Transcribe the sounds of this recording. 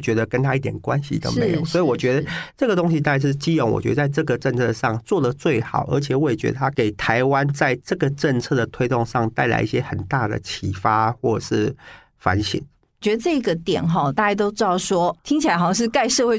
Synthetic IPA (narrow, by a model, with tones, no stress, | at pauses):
t͡ɕɥɛ˧˥d̪ə˧kə˥nt̪ʰa˦i˥˩t̪jɛ˨˩nkwa˦nɕḭ˨d̪ə̰˧mḛ˧˦jswɔ˧˥i˨wɔ˨t͡ɕɥɛ˧˦˥d̪ə˨ʈ͡ʂɤ˥˩ɡə˩t̪o˥ŋɕi˧t̪a˥˩ja˥ʂɻ̩˥˧˩t͡ɕi˥jɔ˨˩˦ŋwɔ̰˨˩t͡ɕɥɛ̰˧˥d̪ə˧t͡sa˥˧ɪʈ͡ʂɤ˥˩ɡə˩ʈ͡ʂə˥˧nt͡sʰɤ˥˧ʂɑ˥˧ŋt͡swɔ˥˩d̪ə˨t͡swe˥˩ɪxɑ̰˨˩˦ʊʔə̰˧˥t͡ɕʰjɛ˨˩wɔ˥˩i˨˩t͡ɕɥɛ̰˧˦˥ə˨t̪ʰa˥ke˨˩ɪt̪ʰa˧˦˥ɪwa˦nt͡sa˥˧ɪʈ͡ʂɤ˥˩ɡə˩ʈ͡ʂə˥˧nt͡sʰɤ˥˩d̪ə˩t̪ʰwe˥ɪt̪o˥˧ŋʂɑ˥˧ŋt̪a˥˩ɪla̰˧˥ɪʔi˥˩ɕjɛ˦˥xə˨˩nt̪a˥˩d̪ə̰˩t͡ɕʰi˨˩fa˦xwɔ˥˩˨ʂɻ̩˥˩ | fa̰˧˦nɕḭ˨˩˦n˩ | t͡ɕɥɛ˧˦˥d̪ə˧ʈ͡ʂɤ˥˩i˧˥ɡə˨t̪jɛ̰˨˩nɦɔ˧t̪a˥˧t͡ɕa˥˩t̪o˥ʊʈ͡ʂ̩̪˥ɑ˥˨˩ʊʂwɔ˦˥t̪ʰi˥ŋt͡ɕʰi˨la˧ɪxʂɻ̩˥˧ka˥˧ɪʂɤ˥˧xwe˥˧